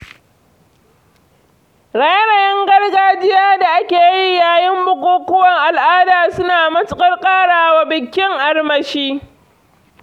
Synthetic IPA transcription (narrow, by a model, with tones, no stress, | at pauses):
ɽaː˨jɐ˦ɽa˨jɛ˦ŋɡɐ˦rɡaː˦d͡ʒɪ˦jaː˦da˨ʔa˦kʲeː˨ji˦jaː˨jɪ˦mbʊ˨kʷoː˦kʊ˦wɐ˨ŋʔa˨lʔaː˦daː˨sʊ˦naː˨mɐ˦t͡ʃʊ˦kʼɐ˦rkʼaː˦ɽaː˨waː˦bɪ˨kʲːɪ˦ŋʔa˦rmɐ˨ʃiː˦